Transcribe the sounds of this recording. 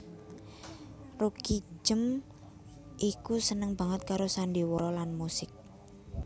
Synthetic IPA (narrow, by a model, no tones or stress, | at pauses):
ruki̥d͡ʒəm | ʔikusənəŋba̤ŋət̪̚kaɾosanɖiwɔɾɔlanmusɪk̚